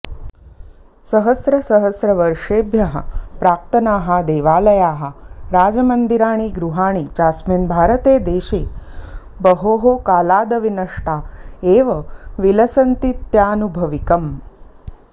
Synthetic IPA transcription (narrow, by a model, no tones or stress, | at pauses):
sɐɦɐsɾɐsɐɦɐsɾɐʋɐɾʂeːbjɐɦɐ̰pɾaːk̚t̪ɐnaːɦɐ̆d̪eːʋaːlɐjaːɦɐ̆ɾaːd͡ʒɐmɐnd̪iɾaːɳ̃iːɡɾuɦaːɳ̃it͡ʃaːsmenbʱaːɾɐt̪eːd̪eːʃeː | bɐɦoːɦokaːlaːd̪ɐʋinɐʂʈaːeːʋɐʋilɐsɐnt̪it̪jaːnubʱɐʋikɐm